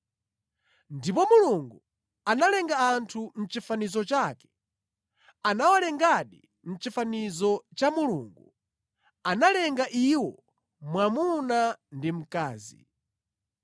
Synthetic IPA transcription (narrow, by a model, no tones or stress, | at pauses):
ndipɔmuluŋɡu | analɛŋɡaːntʰum̩t͡ʃifanizɔt͡ʃakɛ̥ | anawalɛŋɡaɗi | m̩t͡ʃifanizɔt͡ʃamuluːŋɡu | analɛŋɡaʔiwɔ | mwamunandim̩kaːzḭ